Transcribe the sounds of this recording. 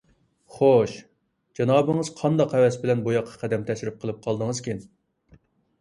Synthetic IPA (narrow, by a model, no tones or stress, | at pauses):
χoʃ | d͡ʒɑnɑːbɨŋəz̥qʰɑnd̪ɑqhɛwɛsbɪlɛnbujɑqʰːɑ̥qʰæd̪ɛmt̪ʰɛʃɾɪp̚qʰəlˠɨp̚qʰɑlˠd̪əŋəz̥kʲʰin